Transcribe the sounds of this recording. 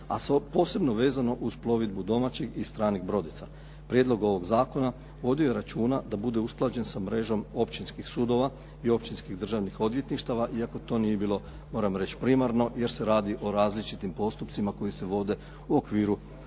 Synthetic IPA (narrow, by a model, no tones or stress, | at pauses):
a̰spo̞ːse̞bno̞ʋe̞ːzano̞ʔuzplˠo̞ʋid̪̚bud̪o̞mat͡ɕeɡist̪ɾaːniɡbɾo̞d̪it̪sa | pɾje̞d̪lo̞ɡo̞ʋo̞ɡzaːko̞na | ʋo̞d̪ioje̞ɾat͡ʃuːnad̪abud̪e̞usplˠad͡ʑe̞nsamɾe̞ʒo̞mo̞pt͡ʃinskixsuːd̪o̞ʋa | io̞pt͡ʃinskiɣd̪r̩ʒaʋnixo̞d̪ʋje̞t̪niʃt̪aʋaʔiako̞t̪o̞ːnijebiːlˠo̞ | mo̞ːɾamɾe̞t͡ɕpɾimaɾno̞je̞ɾse̞ɾaːd̪iʔo̞ɾaːzlit͡ʃit̪impo̞st̪upt̪simako̞jise̞ʋo̞d̪e̞ | uo̞kʋiːɾu